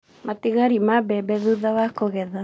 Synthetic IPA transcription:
mat̪iɣaɾimabɛbɛðuðawakoɣɛða

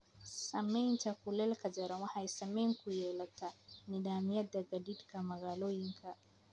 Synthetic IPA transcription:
samɛintakulɛlkad͡ʒaɾamahajsameŋkujɛlatanidamiad̪aɡadidkamaɣaloiŋkʰa

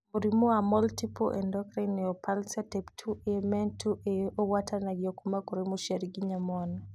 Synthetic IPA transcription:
moɾimoamɔltipɔʔɛ̰ndɔkɾinːɛɔpʰalsatɛptʰuʔemɛntʰuʔeowatʰanaɡjɔkumakoɾimoʃaɾiɡiɲamɔn

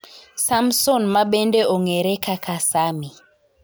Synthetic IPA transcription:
samsɔnmaɓɛndɛʔɔŋɛɾɛkakʰasami

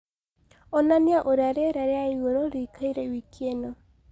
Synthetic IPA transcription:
ɔnaniaʔoɾaɾeɾaɾeaiɣoɾoɾiːkʰaiɾɛwikʰienɔ

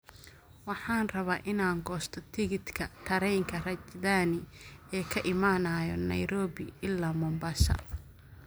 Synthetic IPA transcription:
wɑħɑːnrɐβaːʔɪnaːŋɡɔːst̪ʰɔt̪ʰɪɣɪt̪kʰɐt̪ʰɐɾɛjŋkʰɐrɐt͡ʃd̪aːnɪɛːkʰɐʔɪmaːnaːjɔ̰nɐ̰jɾɔːβɪɪlːaːmɔmbaːʃɐ̰

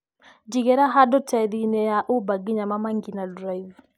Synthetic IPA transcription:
d͡ʒiɡɛɾaɦadɔtʰɛdinɛjaʔʊbaɡiɲamamaŋɡinaldɾaiv

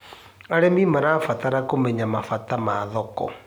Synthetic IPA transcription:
aɾɛmimaɾafataɾakomɛɲamafatamaːðɔkɔ̰

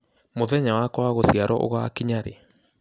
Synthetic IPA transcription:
moðɛɲawakɔwaɣosiaɾɔ̰ʔo̰ɣaːkiɲaɾḛ

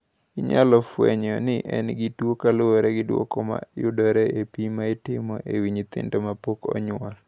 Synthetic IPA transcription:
ɪɲalɔfwɛ̰ɲɔnɪʔɛnɡɪtwokalooɾɛɡɪdwo̰kɔma̰jʊdɔɾɛepimaɪtɪmɔʔewiɲit̪ɪ̰ndɔmapokɔ̰ɲwɔl

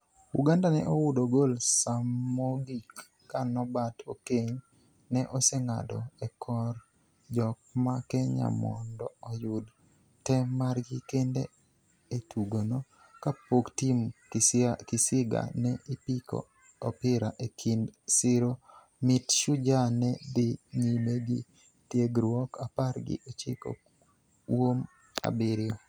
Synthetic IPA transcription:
uɡandanɛ̰ʔowʊdoɡolsamoɡikː | anɔbatʰokeɲ | nɛʔɔseŋa̰dɔ̰ɛkʰɔr | d͡ʒɔk̚makeɲa̰mɔ̰ndɔɔjʊd | tɛmarɡikendḛ | etʰuɡono | kapoktim | kɪsɪɡa̰nɛʔipikɔ̰ː | pɪɾaʔekʰindsɪɾo | mɪtʃʊd͡ʒanɛdɪɲimeɡɪ̰ | tjeɡɾwɔkʰaparɡɪ̰ʔot͡ʃɪ̰ko̰ | wom | a̰bɪɾɪɔ

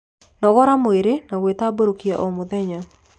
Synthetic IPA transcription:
nɔɡɔɾamʊeɾenawet̪aboɾokiaʔɔmʊd̪ɛɲa

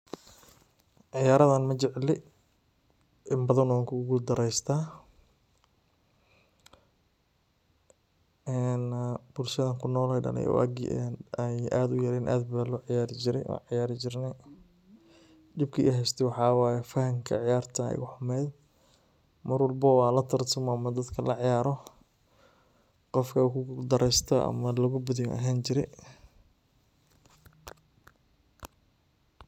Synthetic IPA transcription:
ʕɪjaːɾɐðɐnmɐt͡ʃɪʕlɪ | ʔɪmbɐðɐnɔŋkʰʊɡʊld̪ɐɾɛjst̪ʰaː | ɛnb̥ʊlʃɐðɐŋkʰʊnɔːlɛjɖɐ̰lɛ̰jɔ̰wʔa̰ːɡ̰nɛjaːd̪ʊjɐɾɛːnʔa̰ːd̪bɐðɐnlɔːʕɪjaːɾɪt͡ʃɪɾɛjʔɔ̰ːʕɪjaːɾɪt͡ʃɪrnɛ | d̪ɪb̚kʰɐʔːɦɛjst̪ʰɛwɑħɑːwɑːjɛfɐhɐŋkʰɐ̰ʕɪjaːrt̪ʰɐ̰ɣʊħʊmɛːd̪ | mɐrwɑlbɐwɑːlɐt̪ʰɐrt̪ʰʊmɔɐmɐd̪ɐd̪kʰɐlɐʕɪjaːɾɔ | qɔfkʰɐkʊd̪ɐɾɛst̪ʰɐʔɐ̰mɐlɐɣʊbʊðɪj̰ʔɐɦaːnt͡ʃɪɾɛ̰j

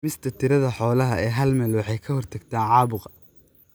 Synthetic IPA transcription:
mɪst̪ʰɐt̪ʰɪɾɐðɐħɔːlɐɦɐɛːɦɐlmɛːlwɑħɑjkʰɐhɔrt̪ʰɐɡt̪ʰaːnʕɑːβʊqɐ

